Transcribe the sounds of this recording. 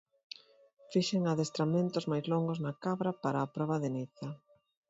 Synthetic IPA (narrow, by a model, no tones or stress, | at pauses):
fiʃeŋaðest̪ɾamẽnt̪ʊzmajzlɔŋɡoznakaβɾapaɾaːpɾɔβaðeniθɐ